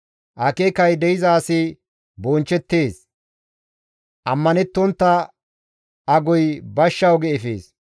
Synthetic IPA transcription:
ʔɐkekɐjd̪ɛjɪzaːsɪ | bont͡ʃːɛt̪ːe̞ːs | ʔɐmːɐnɛt̪ːɔnt̪ːɐ | ɐɡɔjbɐʃːɐwɡɛɛfḛːs

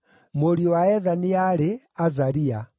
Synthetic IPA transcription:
moɾiɔwaɛðaniaɾe | azaɾia

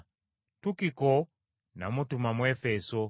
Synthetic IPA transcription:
tukikɔ | na̰mutumamwɛfɛsɔ

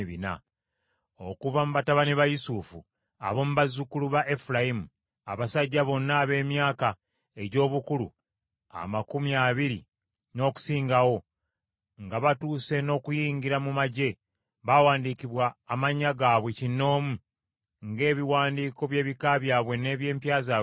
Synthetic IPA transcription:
βina̰ | o̞kuvamuβataβaniβajusufu | a̰βo̞muβazukuluβaʔefulajimu | a̰βasaɟːaβo̞nːaːβe̞ːmjaːka | e̞ɟo̞ːβukulṵ | a̰makumiaβiɾḭ | no̞ːku̥siːŋɡawo̞ | ŋɡaβatuːse̞no̞ːkujiːɲɟiɾamumaɟe̞ | βawaːndiːkiβwaːmaɲːaɡaːβwe̞cinːo̞ːmu | ŋɡe̞ːβiwaːndiːko̞βje̞ːβikaβjaːβwe̞ne̞ːβje̞ːmpjaːzaː

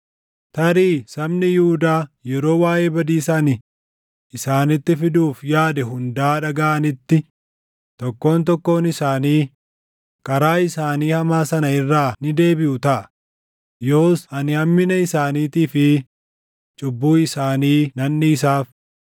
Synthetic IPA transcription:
t̪ɐɾiːsɐbnɪjuːd̪aːjɛɾo̞ːwaːʔe̞ːbɐd̪iːsaːnɪ | ʔɪsaːnɪt̪ːɪfɪd̪uːfjaːd̪ɛɦʊnd̪aːᶑɐɡaːʔɐnɪt̪ːɪ | t̪ɔkːo̞ːnt̪ɔkːo̞ːnɪsaːniː | kʼɐɾaːɪsaːniːhɐmaːsɐnɐɪrːaːnɪd̪e̞ːbɪʔʊt̪ɐʔɐ | jo̞ːsʔɐnɪhɐmːɪnɐɪsaːniːt̪iːfɪ | t͡ʃʼʊbːuːɪsaːniːnɐnːɪːsaːf

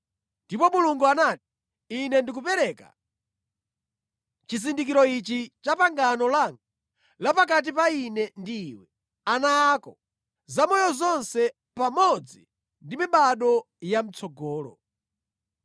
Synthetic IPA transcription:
ndipɔmuluŋɡuanaːti̥ː | nɛndik̬upɛɾɛka̰ | t͡ʃizindikiɾɔit͡ʃit͡ʃapaŋɡanɔlaŋɡa | lapak̬at̬ipainɛndiːwɛ | anaːkɔ | zamɔjɔzɔnsɛ | pamɔd͡zi | ndimiɓaɗɔ | jam̩t͡sʰɔɡɔːlɔ̰

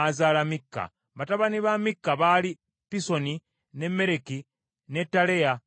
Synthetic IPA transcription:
azaːlamikːa̰ | βataβaniβamikːaβali | piso̞ni | ne̞mːe̞ɾe̞ki | ne̞tːaleja

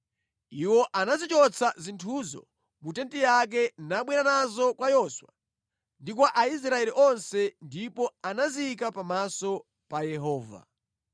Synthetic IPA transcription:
iwɔʔanazit͡ʃɔt͡sʰazintʰuzɔ̰ | mutɛntijak̬ɛnaɓwɛɾanazɔkwajɔswa̰ | ndikwaʔais̬ɾaɛliʔɔnsɛndipɔanaziikapamasɔ | pajɛɦɔːva̰

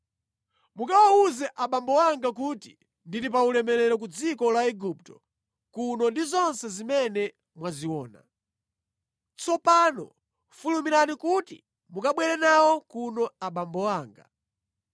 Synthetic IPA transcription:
mukawauzɛʔaɓambɔwaŋɡak̬utḭ | ndiɾip̬aulɛmɛɾɛɾɔk̬ud͡zikɔlaɛɡup̚tɔ̥ | kunɔndizɔnsɛzimɛnɛ | mwaziwɔːna̰ | t͡sɔpanɔ̰ | fulumiɾanikutḭ | mukaɓwɛɾɛnawɔkunɔaɓambɔwaːŋɡa̰

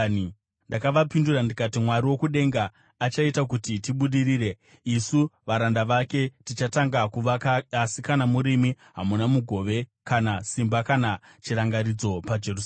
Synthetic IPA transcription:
ndakaʋapinduɾandikatimwaɾiwo̞kuɗe̞ŋɡaː | t͡ʃaitakutitiɓuɗiɾiːɾe̞ | isuʋaɾandaʋake̞tit͡ʃataŋɡakuʋakasikanamuɾimi | ɦamunamuɡʱo̞ʋe̞kanasimbakana | t͡ʃiɾaŋɡaɾid͡zo̞pad͡ʒe̞rus

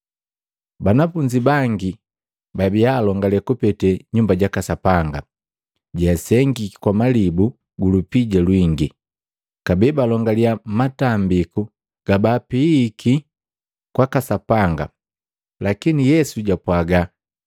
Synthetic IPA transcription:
banafuɲd͡ʒibaŋɡi | babiaːlɔŋɡalɛkupɛtɛɲumbaɟakasapaŋɡa | ɟaasɛŋɡiki̥kwamalibu | ɡulupiɟalwiŋɡi | kabɛbalɔŋɡaliamatambiku | ɡ̥abaːpiːki | kwakasapaŋɡa̰ | lakinijɛsuɟapwaɡa

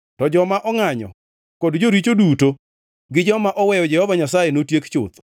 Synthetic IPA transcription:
tɔd͡ʒɔmaʔɔŋaɲɔ̰ | kodd͡ʒoɾit͡ʃoduto | ɡɪd͡ʒɔmaʔɔwɛjɔd͡ʒɛhɔvaɲasajenotjekt͡ʃʊ̰t̪

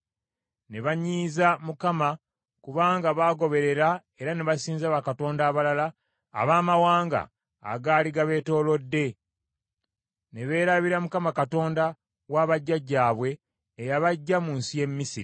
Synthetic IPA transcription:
ne̞βaɲiːzamukama | kuβaːŋɡaβaːɡo̞βe̞ɾe̞ɾae̞ɾaneβasiːnzaβakato̞ːndaːβalala̰ː | βaːmawaːŋɡa̰ː | ɡaːliɡaβe̞ːto̞ːlo̞dːe̞ | ne̞βe̞ːɾaβiɾamukamakato̞ːnda | waːβaɟːaɟːaːβwe̞ː | jaβaɟːamuːnsije̞mːisiɾi

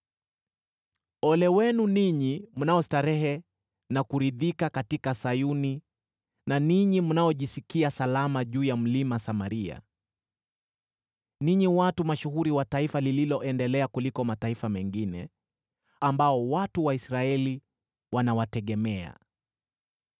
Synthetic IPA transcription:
ɔlɛwɛnuniɲimunaɔstaɾɛɦɛ | nakuɾiðikakatikasajuni | naniɲimunaɔʄisikiasalamaʄuːjam̩limasamaɾia̰ | niɲiwatumaʃuhuɾiwataifalililɔɛndɛlɛakulikɔmataifamɛŋɡinɛ̰ | ambaɔwatuwaisɾaɛli | wanawatɛɠɛmɛa̰

